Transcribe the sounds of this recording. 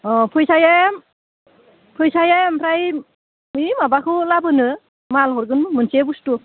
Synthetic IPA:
ɔpʰɯjsajem | pʰɯjsajampʰɾaj | mimabakʰɯlabɯnɯ | malhɔɾɡɯnɯmɯnsebustu

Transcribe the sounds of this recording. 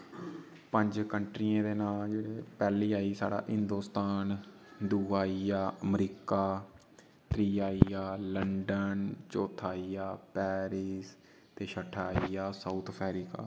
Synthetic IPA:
pəɲd͡ʒkəɳʈɾiːãːd̪eːnaːld͡ʒeːɽeːpɛːliːaːiːsa̰ːɽa̰ːʔɪnd̪oːst̪aːn | d̪uːaːiaːəmɾiːkaː | t̪ɾiːaːiaːləɳɖənt͡ʃoːt̪ʰaːiːaːpɛːɾiːs | t̪eːʃʰəʈʰːaːiːjaːsaːt̪ʰpʰɛːɾiːka̰ː

